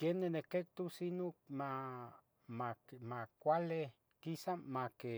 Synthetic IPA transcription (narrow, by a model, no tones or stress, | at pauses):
kjenːenekek̚t̪usinokma | mamakʷale | kisamake